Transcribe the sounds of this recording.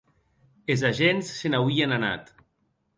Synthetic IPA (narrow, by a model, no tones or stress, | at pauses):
ezaʒensːenawienana̰t̪